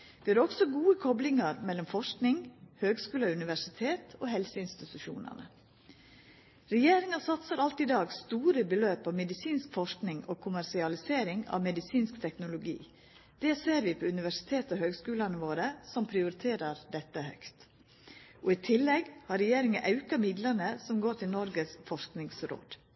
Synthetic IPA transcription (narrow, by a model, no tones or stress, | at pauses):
d̪̥ɛæɾɔksɔɡuːəkʰɔblɪŋɑɾmɛlːɔmfɔʂknɪŋhøːɡskʉːlɑʉnɪʋæʂɪt̪ʰeːt̪ʰoːhɛlsəɪnst̪ɪt̪ʉʃṵːnə̰nə̰ | ɾɛjeːɾɪŋɑsɑt̪səɾɑlt̪ɪd̪ɑːɡst̪uːɾəbəløːpɑʋmɛd̪ɪsiːnskfɔʂknɪŋoːkʰʊmæɾʂɪɑlɪseːɾɪŋɑ̰ʋmɛd̪ɪsiːnskt̪ʰɛknʊlʊɡḭː | d̪̥ɛseːɾʋɪpʰɔʉnɪʋæʂɪ̥t̪ʰeːt̪əɔhøːɡskʉːlɑnəʋoːɾəsɔmpʰɾɪʊɾɪt̪ʰeːɾəɾd̪ɛt̪ːəhœ̰kt̪ | ʔɔɪt̪ʰɪlːɛɡhɑɾɛjeːɾɪŋəʔɑʉkɑmɪd̪lənəsɔmɡoːʈʰɪlnɔɾɡəsfɔʂknɪŋsɾo̰ːd̪